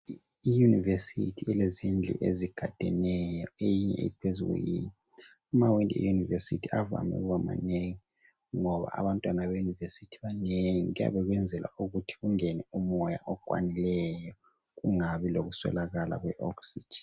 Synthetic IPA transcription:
ijunivesḭtʰiilezind͡ɮʱḭʔeziɡ̥ʱad̥ʱɛnɛjɔejiɲɛ̰ḭpʰezuɣṵjḭɲɛ | umawindɛ̰junivesḭtʰiava̰mɛ̰ɣama̰neŋi | ŋɔβa̰a̰βantʼwanaβejunivesitʰi̥βaneŋiɣuja̰βɛɣwɛnd͡zʱɛla̰uɣutʰi̥ɣuŋɛnɛumɔja̰ʔɔkʼwa̰nilɛjɔ | ɣuŋaβiloɣuswɛ̰laɣala̰ɣwɛʔɔksid͡ʒɛ̥

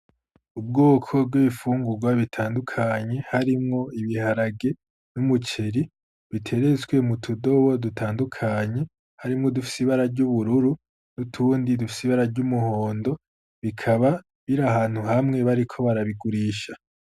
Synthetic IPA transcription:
ub̚ɡo̞ːkʰo̞b̚ɡiβifuːŋɡuɡwaβitʰaːndukʰaɲe̞haɾimŋo̞iβihaɾaɡe̞ | numut͡ʃe̞ɾi | βitʰe̞ɾe̞zɡwe̞mutʰudo̞βo̞dutʰaːndukʰaɲe̞ | haɾimŋo̞dufi̥siβaɾaɾɟuβuɾuɾu | nutʰuːndidufi̥siβaɾaɾɟumuho̞ːndo̞ | βikʰaβa | βiɾahaːn̥huhamŋe̞βaɾikʰo̞βaɾaβiɡuɾiːʃa

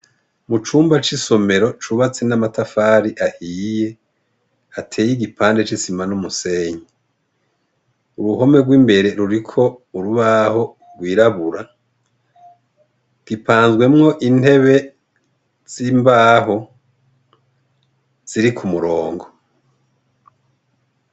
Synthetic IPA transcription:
mut͡ʃuːmbat͡ʃiso̞me̞ɾot͡ʃuβat͡se̞namatafaːɾiʔahije̞ | atʰe̞ːjiɡipaːnde̞t͡ʃisimanumuse̞ːɲe | uɾuho̞me̞ɡwiːmbe̞ɾe̞ɾuɾikʰo̞uɾuβaho̞ | ɾɡwiːɾaβuɾa | ɡ̥ipʰaːnzɡwe̞mŋo̞ʔinhe̞βe̞ | z̥imbaːɦo̞ | z̥iɾikʰumuɾo̞ːŋɡo̞

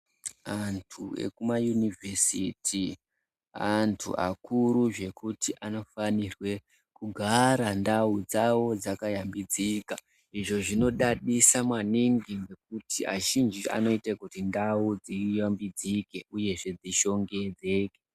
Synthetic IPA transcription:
antʰuḛkumajunivʱesitʰi | antʰṵʔa̰kʰuɾuʐe̞kutʰiʔano̞fanirwe̞ | kuɡʱaɾandaud͡zawo̞d͡zakajambid͡zika | iʐo̞ʐino̞ɗaɗisamwaniŋɡiŋɡe̞k̚utia̰ʒind͡ʒiʔa̰no̞itakutindaud͡zijambid͡zike̞uje̞ʐe̞d͡ziʃo̞ŋɡe̞d͡ze̞ːke

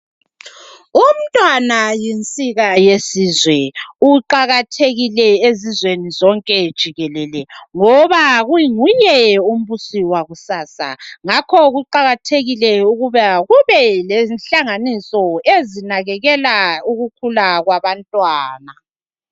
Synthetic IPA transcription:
um̩tʼwanajint͡sʼiɣajesizwɛuǃaɣatʰeɣilɛezizwenizɔŋkʼɛd̥ʒ̥ʱiɣɛlɛlɛŋɔβaɣuŋujɛum̩βusiwaɣusaːsa̰ŋakʰɔɣuǃaɣatʰeɣilɛuɣuβaɣuβɛlɛnɬaŋanisɔezinaɣɛɣɛlauɣukʰulaɣwaβantʼwaːna

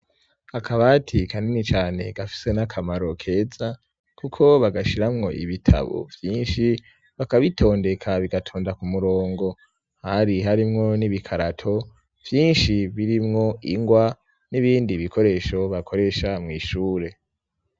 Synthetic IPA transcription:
hakʰaβatʰikaninit͡ʃaːne̞̰ɡ̥afi̥se̞nakʰamaɾo̞kʰe̞ːza | kukʰo̞βaɡaʃiɾamŋo̞̰ʔiβitʰa̰βo̞̰vjiːnʃi | βakaβitʰo̞ːnde̞kʰaβiɡatʰo̞ːndakumuɾoːŋɡo̞ | haɾiɦaɾimŋo̞niβikʰaɾatʰo̞ | v̥jiːnʃiβiɾimŋo̞ʔiŋɡwa | niβiːndiβikʰo̞ɾe̞ːʃo̞βakʰo̞ɾe̞ʃamŋiːʃuːɾe̞

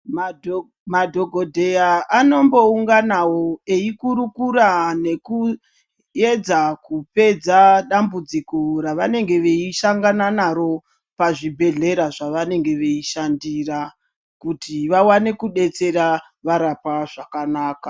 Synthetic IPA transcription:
ma | madʱo̞ɡʱo̞dʱe̞jaano̞mbo̞uŋɡanawo̞eikuɾukuɾane̞ku | ed͡zakupe̞d͡zaɗambud͡zikoraʋane̞ŋɡe̞ʋe̞iʃaŋɡananaɾo̞ | paʐibʱe̞ɮe̞ɾaʐaʋane̞ŋɡe̞ʋe̞iʃandira | kutʰiʋawane̞kuɗe̞t͡se̞ɾa | ʋaɾapaʐakanaːka

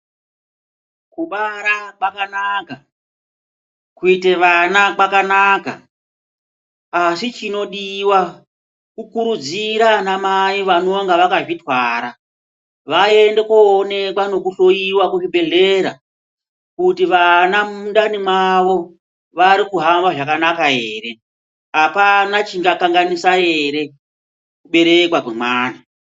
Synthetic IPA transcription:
kuɓaɾakwakanaka | kuite̞ʋanakwakanaka̰ | sit͡ʃino̞ɗiwa | kukuɾud͡ziɾanamaiʋano̞ŋɡaʋakaʐitwaːɾa | ʋae̞nde̞koːne̞kwano̞kuɬo̞iwakuʐibʱe̞ɮeɾa | kutiʋanamunɗanimwaʋo | ʋaɾikuɦambaʐakanakae̞ːɾe̞ | ɦapanat͡ʃiŋɡakaŋɡanisae̞ɾe̞ | kuɓe̞ɾe̞kwakwemwaːna

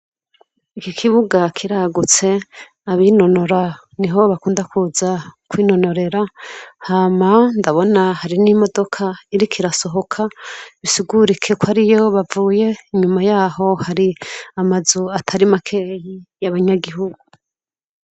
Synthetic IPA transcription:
ikikʰiβuɡakʰiɾaɡut͡se̞ | aβino̞no̞ɾa | niɦo̞βakuːndakuzakwiːno̞no̞ɾe̞ɾahaːmandaβo̞nahaɾinimo̞do̞kʰaiɾikʰiɾaso̞ɦo̞kʰaβisiɡuɾikʰe̞kwaɾijo̞βavuːje̞iɲumajaːho̞haɾiamazuatʰaɾimakʰejijaβaɲaɡiɦuɡu

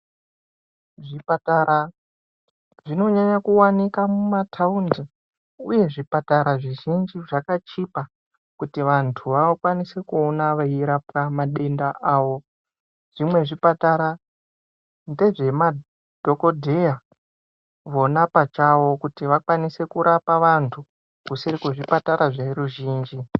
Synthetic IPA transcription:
ʐipataɾa | ʐino̞ɲaɲakuwanikamumatʰaundzi | uje̞ʐipataɾaʐiʒind͡ʒiʐakat͡ʃipa | kutiʋantʰuʋaokwanise̞kuonaʋaiɾapkamaɗe̞ndaʔaːʋo̞ | ʐ̥imwe̞ʐipataɾa | nde̞ʐe̞ma | d̥ʱo̞ko̞dʱe̞ja | ʋo̞napat͡ʃawo̞kutiʋakwanise̞kuɾʔapaʋantʰu | kusiɾikuʐipataɾaʐeɾuʒiːnd͡ʒi

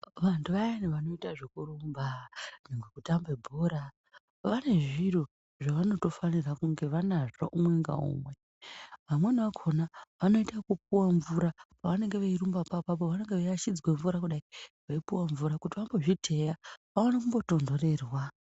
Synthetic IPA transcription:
ʋantʰuʋaeniʋano̞itaʐekurumbaneŋɡwekutambe̞bʱoɾa | ʋane̞ʐiro | ʐaʋano̞to̞fanirakuŋɡe̞ʋanaʐaʔumwe̞ŋɡa̰ṵmwe̞ | ʋamwe̞niʋakʰo̞naʋano̞itakup̚uwaɱvuɾapaʋane̞ŋɡeʋairumbapapapo̞ʋane̞ŋɡe̞ʋaiat͡ʃid͡zweɱvuɾakuɗaiʋaipuwaɱvuɾakutiʋamboʐitʰe̞jaʋaanakumbo̞to̞ndo̞re̞rwa

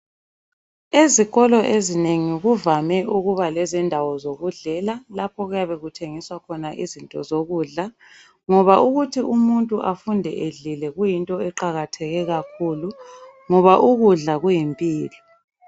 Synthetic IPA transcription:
eziɣɔlɔʔezineŋiɣuvamɛʔuɣuβalɛzɛndʱawɔzoɣuɮɛlalapʰɔɣujaβɛɣutʰeŋiswakʰɔnaʔizintʼɔzoɣuːɮa | ŋɔβaʔuɣutʰiʔumuntʼuʔafundʱɛ̰ʔeɮilɛɣujintʼɔɛǃaɣatʰɛɣɛɣakʰuːlu | ŋɔβaʔuɣuɮaɣujimpʼiːlɔ

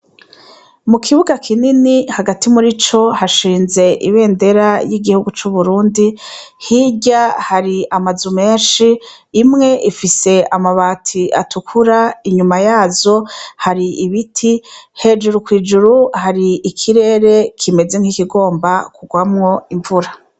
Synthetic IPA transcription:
mukʰiβuɡakʰininihaɡatimuɾit͡ʃo̞haʃiːnze̞ʔiβe̞ːnde̞ɾajiɡihuɡut͡ʃuβuɾuːndi | hiɟahaɾiamazume̞ːnʃiː | mŋe̞ʔifise̞amaβaːtʰiʔa̰tʰukʰuɾaiɲumajaːzo̞haɾiiβitʰihe̞d͡ʒuɾukwiːd͡ʒuɾuhaɾiːkʰiɾe̞ːɾe̞kʰime̞ze̞ŋ̥hikiɡo̞ːmbakuɡwamŋo̞iɱvuɾa

